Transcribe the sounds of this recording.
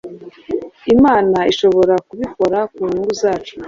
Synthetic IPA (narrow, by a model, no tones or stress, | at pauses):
imaːnaiʃo̞βo̞ɾakuβiko̞ɾakuŋuŋɡuzaːt͡ʃo̥